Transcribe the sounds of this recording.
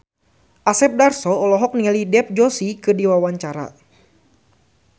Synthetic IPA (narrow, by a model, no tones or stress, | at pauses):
ʔasɛp̚darsɔːlɔɦɔk̚nialidɛp̚d͡ʒosikɨdiwawaɲt͡ʃaɾa̰